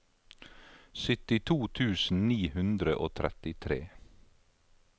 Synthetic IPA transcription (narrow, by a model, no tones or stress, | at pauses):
sʏt̪ɪt̪ʰuːt̪ʰʉːsn̩niːhʉnd̪ɾəʔoːt̪ʰɾɛ̰t̪ɪt̪ʰɾeː